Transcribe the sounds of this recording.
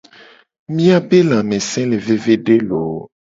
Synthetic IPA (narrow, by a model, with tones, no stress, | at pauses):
mĩ˦a˨be˦lã˨mẽ˨sɛ̃˦le˨ve˨ve˦ɖe˦lo˨